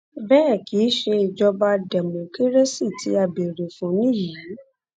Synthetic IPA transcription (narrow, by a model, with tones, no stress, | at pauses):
bɛː˦˨ki˨˦ʃe˧i˨d͡ʒɔ˧ba˧dɛ˨mũ˨ke˦ɾe˦si˦˨ti˧˦a˧˨be˨ɾe˨fũ˨˦nĩ˦˨ja˨˦